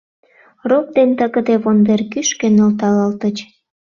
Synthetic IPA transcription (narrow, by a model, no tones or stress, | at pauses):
rop̚d̪ent̪əɣə̆d̪eβond̪erkyʃkenolt̪ɑləlt̪ət͡ɕ